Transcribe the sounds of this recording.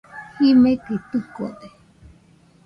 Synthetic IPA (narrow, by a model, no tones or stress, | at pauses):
himẽkit̪uko̰d̪e